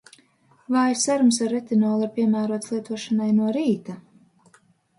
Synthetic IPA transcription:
vaːjsaɾums̬aɾːɛt̪inɔːlˠiɾpiɛmæːɾuɔt̪slˠiɛt̪uɔʃanajnuɔɾiːt̪a

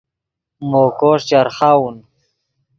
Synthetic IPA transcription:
moːkoʂt͡ɕaɾχawun

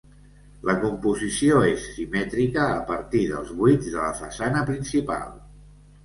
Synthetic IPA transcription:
ləkumpuzisioesːimɛt̪ɾikəːpəɾt̪iðə̰lˠzβuid͡zðələ̰fə̰sanəpɾinsipa̰lˠ

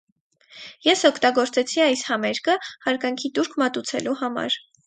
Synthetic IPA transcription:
jɛsɔkʰt̪ɑɡɔɾt͡sɛt͡sʰiɑjshɑmɛɾkʰəhɑɾkɑŋkʰit̪uɾkʰmɑt̪ut͡sʰɛ̰luhɑmɑ̰ɾ

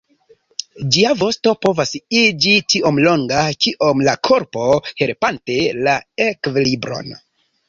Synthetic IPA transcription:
d͡ʒiavo̞sto̞po̞vasid͡ʒitiʔo̞mlo̞ŋɡakiʔo̞mlakʰo̞ɾpo̞he̞lpante̞laekvelibɾo̞̰n

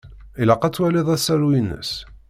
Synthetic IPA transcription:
ilɑqːɑt͡sːwæliðˤæsæɾwinːə̰s

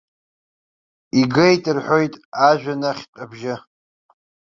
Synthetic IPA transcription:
iɡɨjtʼɨrħʷojtʼaʒᶣanaχʲtʼabʒɪ

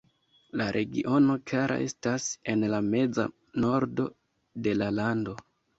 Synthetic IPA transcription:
laɾʔe̞ɡiʔo̞no̞klaɾʔa̰ʔe̞stase̞nlame̞d͡za̰ | no̞ɾdo̞ | de̞lalando̞

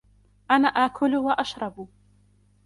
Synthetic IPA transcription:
ʔanaːʔaʔkʰʊlwaʔaʃɾˤɑb

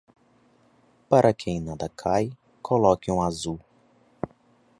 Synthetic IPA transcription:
paɾʔɐkʰẽj̃nad̪ɐkʰaj | kʰolɔkɪũazu

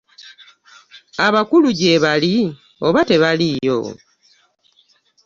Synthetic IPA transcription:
aβakuluɟe̞βali | o̞βate̞βalijo̞̰

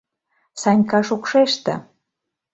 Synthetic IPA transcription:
sɑnʲkɑʃokʃeʃt̪ə̰̆

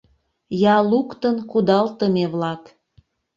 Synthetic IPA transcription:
jɑlukt̪ənkud̪ɑlt̪əmeβlɑk

